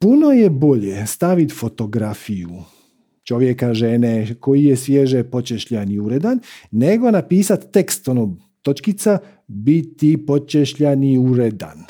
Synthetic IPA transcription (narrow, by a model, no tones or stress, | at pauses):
puno̞jebo̞ʎest̪aʋit̪fo̞t̪o̞ɡɾafiju | t͡ʃo̞ʋjekaʒeneko̞jijesʋjeʒepo̞t͡ʃeʃʎaniuɾed̪anːe̞ɡo̞napiːsat̪ːekst̪o̞no | t̪o̞t͡ʃkit̪sa | bit̪ipo̞t͡ʃeʃʎaniuɾed̪a̰n